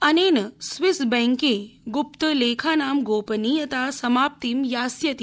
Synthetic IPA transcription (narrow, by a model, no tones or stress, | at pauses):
ɐneːnəsʋisbɛ̃ŋkẽɡupt̪əleːkʰaːnaːmɡoːpənijɐt̪asɐmaːp̚t̪iːmjaːsjɐt̪i